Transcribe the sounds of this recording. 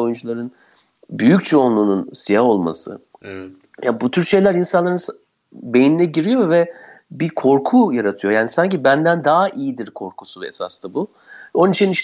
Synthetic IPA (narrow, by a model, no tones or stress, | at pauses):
o̞jund͡ʒulˠaɾɯn | byjyct͡ʃʰoːnlˠuːnunsijaɦo̞lˠma̰sɯ̰ | jabut̪ʰyɾʃe̞jlʲæɾinsanlˠaɾɯns | be̞jininɛɟiɾijo̞vɛbikʰo̞ɾkʰujaɾat̪ʰɯjo̞jaːnisaɲcibænd̪ænd̪aːaʔijid̪iɾkʰo̞ɾkʰu̥suvɛḛsa̰st̪abu | ɛo̞nunit͡ʃʰiniʃ